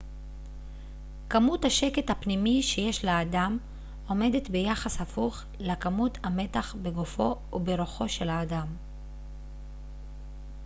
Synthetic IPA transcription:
kamuthaʃe̞ke̞thapnimiʃe̞jeʃlaːdam | o̞me̞det̪be̞jaχashafuχ | lakamuthame̞taχbeɡofo̞ | ubeɾoχo̞ʃe̞laːdam

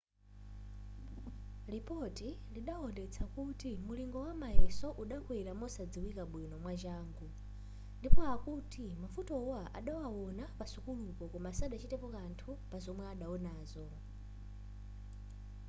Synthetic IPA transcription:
lipɔtiliɗaɔndɛt͡sʰakutimuliŋɡɔwamajɛsɔʔuɗakwiɾamɔsad͡ziwikaɓwinɔmwad͡ʒaːŋɡu | ndipɔakutimafutɔwaʔaɗawawɔnapasukulukɔkɔmasaɗat͡ʃʰitɛpɔkantʰupazɔmwɛaɗaɔnaːzɔ

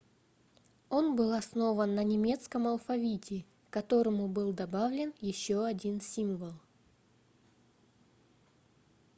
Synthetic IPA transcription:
o̞nbɨlˠɐsno̞vənːənʲɪmʲe̞t̪skəmɐlˠfɐvʲitʲɪ | kɐt̪o̞ɾəmʊbɨlˠd̪ɐbavlʲɪnjɪɕːoɐdʲinsʲimvəlˠ

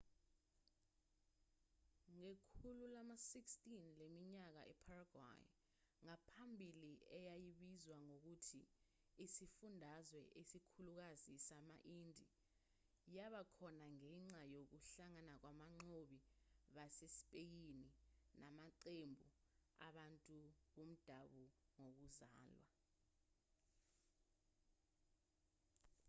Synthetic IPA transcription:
ŋekʰululamasikstʼinlemiɲak̬a̰ʔɛ̰pʰaraɡ̥wa̰j | ŋapʰambʱiliɛjajiɓizwaŋok̬utʰiː | sifundʱazwɛʔesikʰuluk̬azisamaʔiːndʱi | jaɓakʰɔnaŋɛŋ͡ǀajok̬uɬaŋanak̬wamaŋ͡ǀoɓiɓasesi̥pʼej̬ininamaǀembʱua̰ɓantʼuɓom̩d̥ʱaɓuŋok̬uzaːlwa

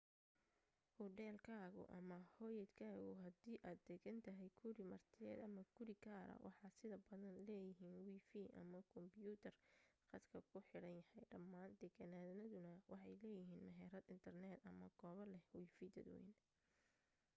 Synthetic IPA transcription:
hʊɖɛːlkʰaːɣʊ̰ʔɐmɐhɔjɐd̪kʰaːɣʊɦɐd̪iːʔaːd̪̚d̪ɛɡɐnt̪ʰɐɦɛjkʰʊɾɪmɐrt̪ʰɪjɛ̰ːd̪ɐmɐɡʊɾɪkʰaːɾɐ̰wʔɑ̰ħɑːsɪðɐbɐðɐnlɛːjɪɦiːnwiːfiːʔɐ̰mɐkʰɔmbjuːt̪ʰɐrqɑd̪kʰɐkʰʊħɪɽɐnjɐhɛjɖɐmːaːnd̪ɛɡɐnaːðnɐðʊnɐwɑħɑjlɛːjɪɦiːnmɛɦɛːɾɐd̪ɪnt̪ʰɐrnɛːd̪ɐ̰mɐɡɔːβɐlɛwiːfid̪ɐd̪ɔ̰jɪ̰n

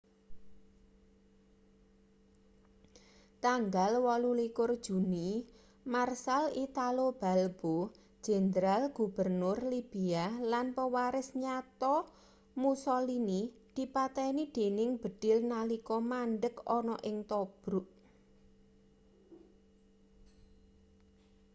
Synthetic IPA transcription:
t̪aŋɡalwɔlulikʊrd̥ʒ̥ṳni | marsalit̪alob̥a̤lb̥o̥ | ʒ̥ɛ̤nd̪ɾalɡ̥ṳb̥ərnʊrlib̥ialanpəwaɾɪsɲat̪ɔ | musɔlinid̪̥i̤pat̪ɛinid̪̥e̤nɪŋb̥ə̤d̥ɪ̤lnalikɔmanɖəkɔnɔʔɪŋt̪ɔb̥ɾʊʔ

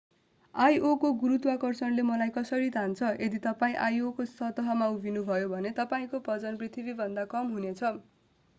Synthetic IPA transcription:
ajʔokoɡuɾut̪wakʌrsʌnlemʌlajkʌsʌɾit̪ant͡sʰʌʔed̪it̪ʌpaĩʔajokosʌɦt̪ʌɦʌmaubʱinubʱʌjobʱʌnet̪ʌpaĩkoprʌd͡zʌnprit̪ʰibibʱʌnd̪akʌmɦunet͡sʰʌ

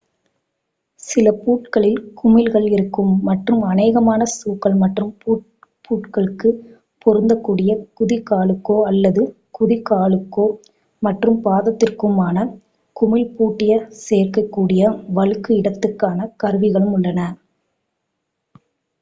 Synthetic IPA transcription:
sɪlɐpuːʈkɐɭɪlkʊmɪlɣɐɭɪɾɯkːɯmːɐʈrɯmɐnɐːɣɐmaːnɐsuːkɐɭmɐʈrɯmpː | pʰːuːʈkɐɭɯkːɯ | pɔɾɯnd̪ɐkːuːɽɪjɐkʊðɪkaːɭɯkːoːɐlːɐðɯ | kʊðɪkaːɭɯkːoː | mɐʈrɯmpaːðɐt̪ːɪrkɯmaːnɐ | kʊmɪlpuːʈːɪjɐseːrkɐkːuːɽɪjɐʋɐɻɯkːɯɪɽɐt̪ːɯkːaːnɐkɐɾɯʋɪɣɐɭɯmʊɭːɐnɐ

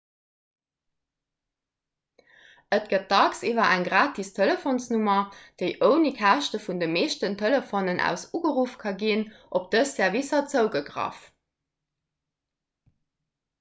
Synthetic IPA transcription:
ʔət̚ɡ̥ət̚dɑksivɐʔæŋɡʁaːtʰistʰeləfonsnumɐd̥eɪʔəʊnikʰæʃtəfundəmeːʃtəntʰələfonənʔæ̰ʊsuɡəʁufkʰɑɡinʔop̚d̥əssɛɐvisɐt͡səʊɡəɡʀɑ̰f

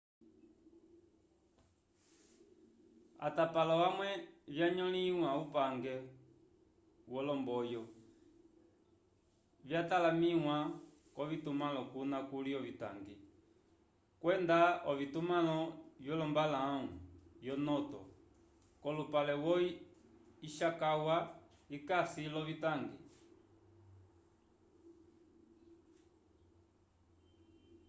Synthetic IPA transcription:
a̰tapalɔwamwɛvjaɲɔliwaupaŋɡɛ | wɔlɔmbɔjɔ | vjatalamiwa | kɔvitumalɔkunakuliɔvita̰ŋɡi | kwɛndaɔvitumalɔvjɔlɔmbalaujɔnɔtɔ̰ | kɔlupalɛwɔi | iʃakawa | ikasilɔvitaŋɡi

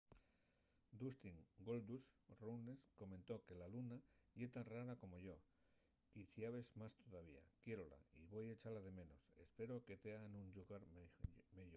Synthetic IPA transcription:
d̪ust̪iŋɡo̞ld̪usrunesko̞mẽ̞nt̪o̞ke̞lalunaʝet̪anraɾako̞mo̞ʝo̞ | iθjaβe̞zmast̪o̞ðaβ̞ia̰kje̞ɾola̰iβo̞jet͡ʃalaðe̞mẽ̞no̞se̞̰spe̞ɾo̞ke̞t̪eanũnʎuɣaɾmeʝo

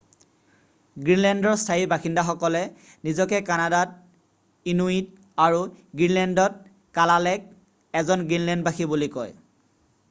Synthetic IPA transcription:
ɡɹinlɛndɔɹstʰaibaxindaxɔkɔlɛ | nizɔkɛkanadat̚ | inuit | aɹuɡɹinlɛndɔt̚ | kalalɛk̚ | ɛzɔnɡɹinlɛnd̚baxibulikɔj

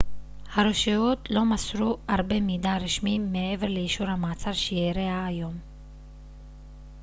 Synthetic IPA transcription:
haɾoʃiot̪lo̞masɾuaʁbe̞mid̪aʁiʃmimːeeve̞ʁleiʃuɾhamaːt͡saʁʃejeɾeaːjo̞m

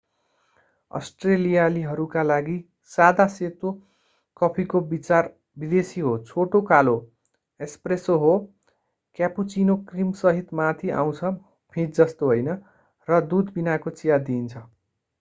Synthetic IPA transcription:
ʌ̰sʈrelijaliɦʌɾukalaɡi | sad̪aset̪o | kʌpʰikobit͡sar | bid̪esiɦot͡sʰoʈokalo | espresoɦo | kjaput͡sinokrimsʌɦit̪mat̪ʰiʔa̰w̃t͡sʰʌ | pʰĩd͡zʌst̪oɦojnʌ | rʌd̪ud̪binakot͡sijad̪iːnt͡sʰʌ

